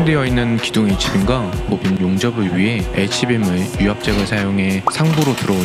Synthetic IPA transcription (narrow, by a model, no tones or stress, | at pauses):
ŋdejʌinːɯnkiduŋet͡ɕʰibimɡamopinjoŋd͡ʑʌbɯɭɥiɦe̞et͡ɕʰibemɯɭjuɦap̚t͡ɕ͈eɡɯɭsʰajoŋɦe̞sʰaŋbuɾotɯɾʌo